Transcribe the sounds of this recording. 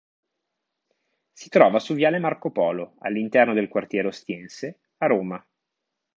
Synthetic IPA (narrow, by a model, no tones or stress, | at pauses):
si̥t̪ɾɔːvasuvjaːlemarkopɔːloa̰lːint̪ɛrnod̪elkwart̪jɛːɾeost̪jɛnse | aɾoːma